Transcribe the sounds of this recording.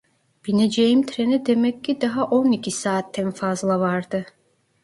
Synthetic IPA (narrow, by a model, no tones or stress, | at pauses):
b̥ined͡ʒejimt̪ʰɾenid̪emɛcːid̪aɦaʔo̞nicʰisaːt̪ʰːænfazlˠavaɾd̪ɯ